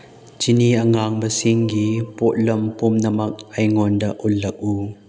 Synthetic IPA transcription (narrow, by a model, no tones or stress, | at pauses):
t͡ʃiniɐŋaŋbɐsiŋɡipɔʔ̚lɐmpɔmnɐmɐk̚ɐjŋɔndɐʔulːɐk̚u